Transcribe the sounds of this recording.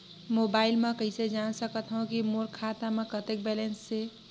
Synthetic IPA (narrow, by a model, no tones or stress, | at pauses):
mobailmekəɪsed͡ʒansəkət̪ɦõkimoɾkʰat̪amekət̪ek̚bɛlensːe